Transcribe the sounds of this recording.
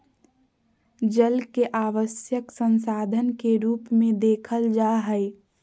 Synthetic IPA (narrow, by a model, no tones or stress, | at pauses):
d͡ʒəlkeʔaːʋəsjəksə̃nsaːd̪ʱənkeɾuːpmẽd̪eːkʰəld͡ʒaɦəɪ